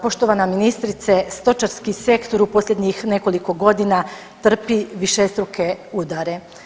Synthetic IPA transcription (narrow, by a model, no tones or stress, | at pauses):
po̞ʃt̪o̞ʋanaminist̪ɾit̪sest̪o̞t͡ʃaɾskise̞kt̪o̞ɾupo̞slʎʲe̞d̪ɲixne̞ko̞liko̞ɡo̞d̪ina | t̪r̩piʋiʃest̪ɾuke̞ud̪aɾe̞